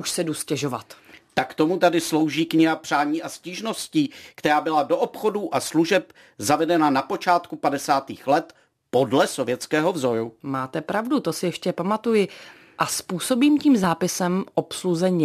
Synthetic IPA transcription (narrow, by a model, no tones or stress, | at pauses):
uʃsɛduscɛʒo̞vat̪ | t̪akt̪omut̪adɪslo̞wʒiːkɲɪɦapr̥aːɲiːʔasciʒno̞sciːkt̪ɛɾaːbɪladoʔopxo̞duʔasluʒɛp | zavɛdɛnanapo̞t͡ʃaːt̪kupadɛsaːt̪iːxlɛt̪ | podlɛsovjɛt͡skɛːɦo̞vzo̞jumaːt̪ɛpɾavdut̪o̞sɪjɛʃcɛpamat̪ujɪ | ʔaspuːso̞biːmciːmzaːpɪsɛmʔopsluzɛɲɪ